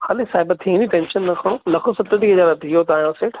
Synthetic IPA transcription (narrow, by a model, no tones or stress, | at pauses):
xaːlẽsaːɦɪbɐt̪ʰĩniʈɛ̃ːnʃənːɐkʰɐɽ̃õːlɐkʰosɐt̪əʈiɐd͡ʑaːɾɐt̪iɦot̪aːjãseːʈʰ